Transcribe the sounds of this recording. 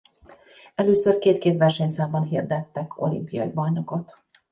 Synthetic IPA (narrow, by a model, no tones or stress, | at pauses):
ɛløːsørkeːt̪keːt̪ʋɛrʃɛɲsaːmbɒnɦird̪ɛt̪ːɛkʰo̞̰lḭmpijɒ̰jibɒjno̞kot̪